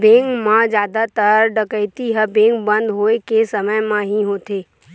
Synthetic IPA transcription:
bẽːŋkmãd͡ʒjaːd̪at̪əɾɖəkəɪt̪iɦəbẽːŋkbə̃nd̪ɦoːekesəməjmãɦiɦoːt̪eː

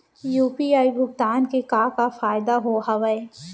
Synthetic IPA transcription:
juːpiaːibʱʊɡt̪aːnkekaːkafaːɪd̪aɦoɦɐʋəe

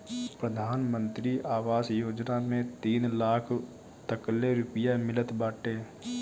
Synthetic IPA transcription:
pɾəd̪ʱaːnmə̃nt̪ɾiʔaːʋaːsjoːd͡ʒnamẽt̪iːnlaːkʰ | t̪əkəlːeɾʊpəjamɪlət̪baːʈeː

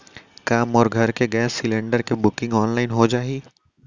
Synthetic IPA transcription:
kaːmɔːɾɡʱɐɾkeɡɛːsɪlẽːɳɖəɾkebʊkɪ̃ŋɡɔːnlaːɪnɦod͡ʒaːiː

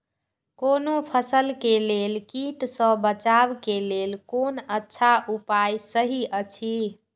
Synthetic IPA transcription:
konopʰəsəlkelelkiʈsə̃bət͡ʃabkelelkonətːʃʰaʔupajsəɦiʔət͡ʃʰi

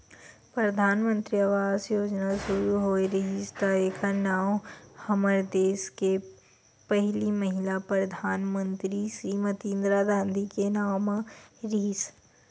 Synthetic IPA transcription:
pɾɐd̪ʱaːnmə̃nt̪ɾiaʋaːzjoːd͡ʒnasʊɾuɦoːeɾiɦɪst̪aekʰanaːmhɐməɾd̪eːske | pəɦlimɐɦɪlapɾɐd̪ʱaːnmə̃nt̪ɾisimət̪ĩːnd̪ɾad̪ãːnd̪ʱikenaːmɾis

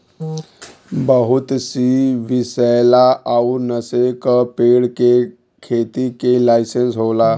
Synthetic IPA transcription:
bəɦut̪siʋisəjlaʔaunəsekəpeɽke | kʰet̪ikelajsensɦola

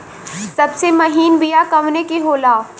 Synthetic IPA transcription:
sɐbsemɐɦiːnbijakɐmnekeɦoːlaː

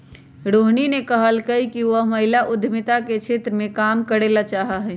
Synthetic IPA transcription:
ɾoɦninekəɦəlkəikiʋəɦməɦɪlaʔʊd̪ʱmɪt̪aket͡ʃʰet̪ɾəmẽkamkəɾelat͡ʃaɦaɦɛ

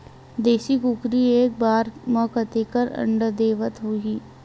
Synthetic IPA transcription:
d̪eːʃikukɾieːk̚baːɾmə̃kət̪ekəɾə̰̃ɳɖd̪eːʋət̪ɦoiː

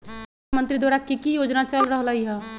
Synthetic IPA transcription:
mə̃nt̪ɾid̪waːɾakikijoːd͡ʒnat͡ʃəlɾəɦlaɦiɦɛ̃

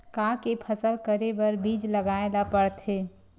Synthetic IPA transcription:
kãkepʰəsəlkəɾebəɾbiːd͡ʒləɡaed̪apəɽt̪ɦeː

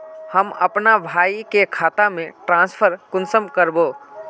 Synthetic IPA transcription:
həmɐ̰pnabʱaːikekʰaːt̪amẽʈɾãːnspʰəɾkʊnsəmkəɾboː

